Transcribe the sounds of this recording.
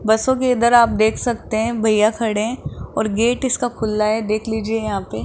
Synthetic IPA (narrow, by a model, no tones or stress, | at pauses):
bɐsõk̬eɪd̪əɾaːp̚d̪eːkʰsɐk̚t̪eɦɛ̃bʱɐijakʰɐɽeɦɛ̃ɔːɾɡeːʈɪskakʰʊlːaɦɛd̪eːkʰliːd͡ʒiejɐɦãːpeː